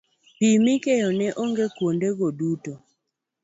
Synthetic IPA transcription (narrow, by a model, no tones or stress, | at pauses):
pimikejɔnɛʔoŋɡekwondeɡoduto